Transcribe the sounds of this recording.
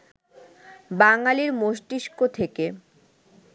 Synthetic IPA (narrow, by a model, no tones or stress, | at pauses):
baŋaliɾmoʃʈiʃkot̪ʰeke